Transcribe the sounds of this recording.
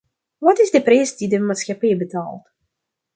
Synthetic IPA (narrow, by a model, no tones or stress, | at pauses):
ʋɑtɪzdəprɛjsdidəmaːtsxapɛjbəta̰ːlˠt